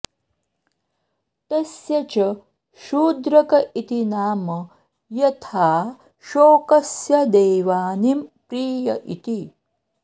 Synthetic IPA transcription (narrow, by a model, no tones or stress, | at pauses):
t̪ɐsjɐt͡ʃɐ | ʃuːd̪ɾɐkɐʔit̪inaːmɐ | jɐt̪ʰaː | ʃoːkɐsjɐd̪eːʋaːnimpɾiːjɐʔḭt̪i